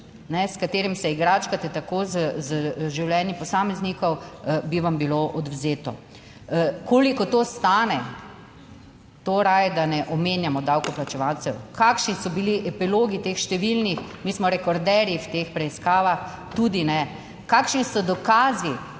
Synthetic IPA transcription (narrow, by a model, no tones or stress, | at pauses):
nɛskat̪eːɾimsɛiɡɾaːt͡ʃkat̪ɛt̪akoːzzʒiwlɛnjipɔsaːmɛznikɔwbiʋambiloʔɔd̪wzeːt̪ɔ̰ | koːlikɔt̪ost̪aːnɛ | t̪oɾajɛd̪anɛʔɔmeːnjamɔd̪awkɔplat͡ʃɛʋaw̪t͡s̪ɛwkakʃnisɔbiliʔɛpiloːɡit̪exʃt̪ɛʋilnixmismɔɾɛkɔɾd̪ɛːɾjiwt̪expɾɛiskaːʋax | t̪ud̪inɛ | kaːkʃnisɔd̪ɔkaːzi